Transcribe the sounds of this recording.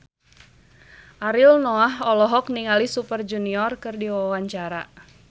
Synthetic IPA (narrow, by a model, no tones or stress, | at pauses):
ʔaɾilnɔaɦɔlɔɦɔkniŋalisupərd͡ʒuniɔrkɨrdiwawaɲt͡ʃaɾa